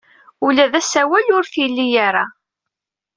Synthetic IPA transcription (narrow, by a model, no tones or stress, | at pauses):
ulæðæsæwælʊɾθjlːijaɾa